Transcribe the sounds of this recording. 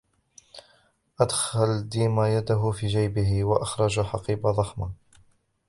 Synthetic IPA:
ʔad̪xald̪iːmajad̪aɦʊfiːd͡ʒajbɪhɪwaʔaxɾˤɑd͡ʒħɑqiːbaðˤɑxma

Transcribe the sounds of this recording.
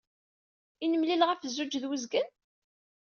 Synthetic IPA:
inəmlilʁəfzːud͡ʒðwəzɡən

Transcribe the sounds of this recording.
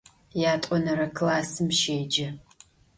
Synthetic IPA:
jaːtʷʼɔnɐɾɐkʰlaːsɨmʃeːd͡ʒɐ

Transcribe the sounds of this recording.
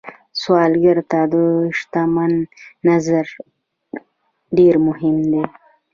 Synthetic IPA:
swɑlɡaɾt̪ad̪əʂt̪amanːazaɾ | ɖeɾmʊhɪmd̪e

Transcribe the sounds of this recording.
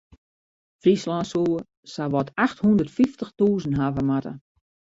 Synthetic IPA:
frislansuː | saʋɔtʰaxthundərtfiftəxtuːzənɦavəmatə̰

